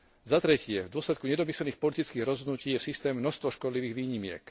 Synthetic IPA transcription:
zat̪ɾɛcɪɛvd̪ʊɔslɛt̪̚kuɲɛd̪ɔmisɛlniːxpɔlit̪it͡skiːɣɾɔzɦɔd̪nuciːjɛsist̪ɛːmnɔst̪ʋɔʃkɔd̪liʋiːɣʋiːɲimɪɛ̰k

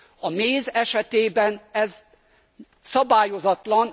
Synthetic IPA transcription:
ɒmeːzɛʃɛt̪eːbɛnɛz | sɒbaːjo̞zɒt̪lɒn

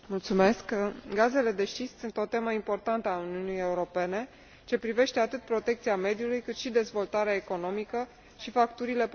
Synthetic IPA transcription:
mult̪sume̞skɡaze̞le̞d̪e̞ʃt͡ʃ̪issunt̪o̞t̪e̞məimpo̞rt̪ant̪əauniunije̞uɾo̞pe̞ne̞ | ɨnt͡ʃe̞pɾive̞ʃt̪eat̪ɨt̪̚pɾo̞t̪e̞k̚t̪siame̞d̪julujkɨt̪ʃid̪e̞zvo̞lt̪aɾeaeko̞no̞mikə | ʃifakt̪uɾile̞p

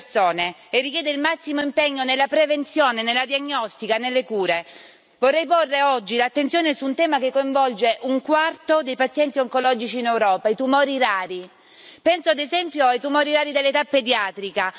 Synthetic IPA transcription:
soːneː | rːikjɛːd̪eilmasːimoimpɛɲːonelːapɾevent̪sjoːnenelːad̪iaɲːɔst̪ikanelːekuːɾe | vorːɛjporːeɔd͡ʒːilat̪ːent̪sjoːnesuːnt̪ɛːmakekːoiɱvɔld͡ʒeʔuŋkwart̪od̪ejpat̪sːjɛnt̪ioŋkolɔːd͡ʒit͡ʃiːnewɾɔːpait̪umɔːɾiɾaːɾi | pɛnsoad̪ezɛmpjoajt̪umɔːɾiɾaːɾid̪elːet̪apːed̪jaːt̪ɾika

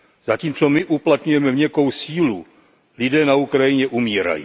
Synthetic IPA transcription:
z̥aciːmt͡so̞mɪʔuplat̪ɲujɛmɛmɲɛko̞wsiːlu | lɪdɛːnaukɾajɪɲɛʔumiːɾa̰jḭː

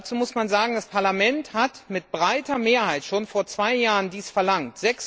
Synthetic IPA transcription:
t͡suːmʊsmanzaːɡŋ̩daspʰaɐlamɛnthatmɪtb̥ʁaɪtɐmeːɐhaɪtʃoːnfoːɐt͡sv̥aɪjaːʁəndiːsfɛɐlaŋtz̥ɛks

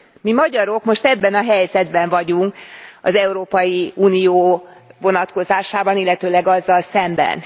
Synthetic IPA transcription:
mimɒɟɒɾo̞kmo̞ʃt̪ɛbːɛnɒɦɛjzɛd̪bɛɱvɒɟuŋkɒ̰zɛuɾoːpɒjiuːnijoːvo̞nɒt̪ko̞zaːʃaːbɒnilːɛt̪øːlɛɡɒzːɒlsɛmbɛ̰n

